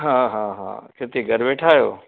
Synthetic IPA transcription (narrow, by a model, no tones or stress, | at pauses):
ɦãːɦãːɦã̰ːkɪt̪iɡʱɐɾʋeːʈʰaːjoː